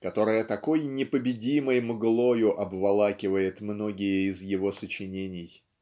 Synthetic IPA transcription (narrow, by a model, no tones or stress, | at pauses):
kɐt̪o̞ɾəjət̪ɐko̞jnʲɪpəbʲɪdʲiməjmɡlˠo̞jʊʔɐbvɐlˠakʲɪvəjɪt̪mno̞ɡʲɪjəɪzjɪvo̞sət͡ɕɪnʲenʲɪj